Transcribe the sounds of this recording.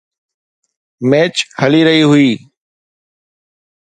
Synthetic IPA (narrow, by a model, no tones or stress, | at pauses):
meːt͡ʃhəliːɾəɦiːɦʊiː